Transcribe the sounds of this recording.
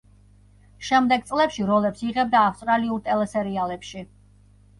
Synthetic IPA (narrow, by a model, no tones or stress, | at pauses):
ʃɛmd̪ɛɡ̚t̪sʼlɛpʃiɾɔlɛpsiʁɛb̚d̪aːfst̪ʼɾaliuɾt̪ʼɛlɛsɛɾialɛpʃi